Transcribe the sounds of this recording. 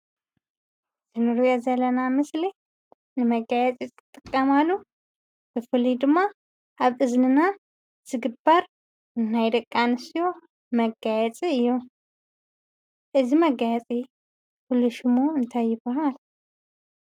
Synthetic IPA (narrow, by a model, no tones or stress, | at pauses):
zɨnɨɾujɛzələnamɨsli | nɨməɡajɛt͡sʼet͡sʼɨt̪ʼːɨkʼːəmalːu | b̥əfɨlid̪ɨmːa | ʔaβʔɨznɨna | z̥ɨɡɨbaɾ | ɨnːajd̪əkʼːanɨsijo | məɡajɛt͡sʼiɨjːɛ | ʔɨziməɡajɛt͡sʼe | hulːɨʃɪmoɨnt̪ʰajːɪbɐɦal